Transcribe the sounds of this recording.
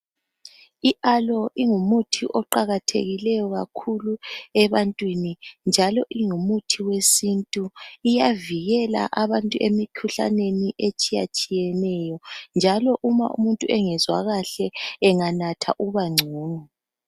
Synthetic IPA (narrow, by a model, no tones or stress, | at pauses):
iʔalɔiŋumutʰiʔɔǃaɣatʰḛɣilɛjɔɣa̰kʰuluɛβantʼwinind͡ʒʱalɔʔiŋumutʰiwesintʼuijaviɣɛla̰ʔaβantʼuʔemikʰuɬa̰neniʔet͡ʃʼija̰t͡ʃʼijɛnɛjɔnd͡ʒʱalɔʔuma̰ʔṵmuntʼuɛŋɛzwa̰ɣaɬɛːŋanatʰa̰ʔuɣβaŋ͡ǀʱuːnɔ